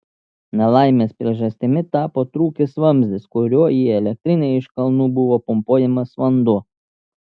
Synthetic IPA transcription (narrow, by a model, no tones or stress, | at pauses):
nʲɛlˠɑɪmʲeːspʲɾʲiɛʒɐsʲt̪ʲɪmʲɪt̪ɑːpoːt̪ɾuːkʲɪsʋɐmʲzʲd̪ʲɪskʊɾʲuɔiɛlʲɛk̚t̪ʲɾʲɪnʲɛɪɪʃkɐlˠnuːbʊʋoːpʊmpuɔjɛmɐsʋɐnd̪uː